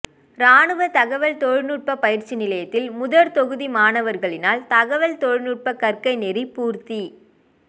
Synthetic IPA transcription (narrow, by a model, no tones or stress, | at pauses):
ɾaːɳɯʋɐt̪ɐɣɐʋɐlt̪ɔɻnɯʈ̚pɐpɐjɪɾt͡ʃːinɪlɐjɐt̪ːɪlmʊðɐɾt̪ɔɣɯðimaːnɐʋɐɾɣɐɭɪnaːlt̪ɐɣɐʋɐlt̪ɔɻnɯʈ̚pɐkɐrkɐɪnɛɾipuːɾt̪i